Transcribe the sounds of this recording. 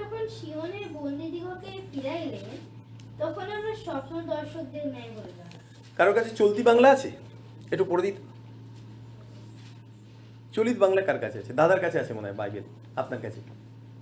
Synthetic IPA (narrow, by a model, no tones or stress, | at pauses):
d͡ʒɔkʰonʃiɦoneɾbolnid̪iɦokepiɾajle | t̪ɔkʰonamɾaɾʃɔpnod̪ɔɾʃok̚d̪eɾnɛjbolet̪a | kaɾokat͡ɕʰet͡ɕolt̪ibaŋlaat͡ɕʰe | eʈupoɾod̪it̪o̥ | t͡ɕolit̪baŋlakaɾkat͡ɕʰeat͡ɕʰed̪ad̪aɾkat͡ɕʰeat͡ɕʰemona̰eba̰jbel | apnaɾkat͡ɕʰe